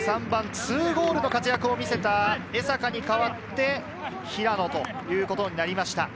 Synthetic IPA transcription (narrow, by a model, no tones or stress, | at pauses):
sãmbãnt͡sɨːɡo̞ːɾɯ̟no̞kat͡sɨjakɯ̟o̞mʲise̞t̪ae̞sakaɲ̟ikaβat̪ːe̞ | çiɾano̞t̪o̞ | jɯ̟ːko̞t̪o̞ɲ̟inaɾʲimaɕi̥t̪a